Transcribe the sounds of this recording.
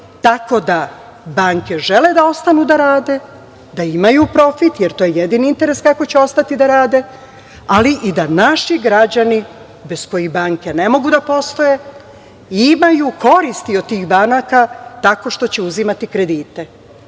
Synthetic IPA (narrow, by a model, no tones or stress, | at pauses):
t̪ako̞d̪a | baŋke̞ʒe̞led̪ao̞st̪anud̪aɾaːd̪e̞ | d̪aimajupɾo̞fit̪jeɾt̪ojejed̪iniint̪e̞ɾe̞skako̞t͡ɕeo̞st̪at̪id̪aɾaːd̪e̞ | aliʔid̪anaʃiɡɾad͡ʑani | be̞sko̞jibaːŋke̞ne̞mo̞ɡud̪apo̞st̪o̞je | imajukʰo̞ɾist̪iod̪̚t̪ːiːxbanakat̪ako̞ʃt̪o̞t͡ɕeuzimat̪ikɾe̞d̪iːt̪e̞